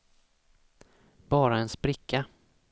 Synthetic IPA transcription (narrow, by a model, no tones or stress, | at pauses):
b̥ɑːɾaɛnspɾɪkʰːa